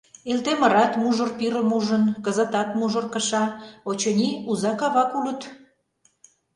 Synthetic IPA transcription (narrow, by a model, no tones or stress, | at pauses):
elt̪emə̆ɾɑt̪muʒŏrpiɾəmuʒənkəzə̆t̪ɑt̪muʒŏrkəʃɑot͡ɕɤnʲiuzɑkɑβɑkulət̪